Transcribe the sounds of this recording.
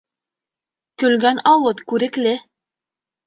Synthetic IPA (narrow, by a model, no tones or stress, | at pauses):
kɵ̆lɡænɑwɤt̪kʉɾɘ̆klɘ